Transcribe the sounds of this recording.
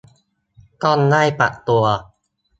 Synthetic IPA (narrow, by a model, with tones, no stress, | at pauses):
k̪ɔː˥˩nlaː˥˩jpa̰˨˩ʔt̪u˧ɐ